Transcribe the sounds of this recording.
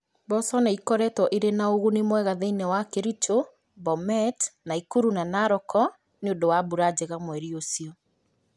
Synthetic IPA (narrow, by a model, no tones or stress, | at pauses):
bɔsɔnɛikɔɾɛtwɔʔiɾenaoɣunemwɛɣaðeinɛwakeɾit͡ʃo | bɔmɛtnaikuɾunanaɾɔkʰɔ | neondowabuɾad͡ʑeɣamwɛɾiosiɔ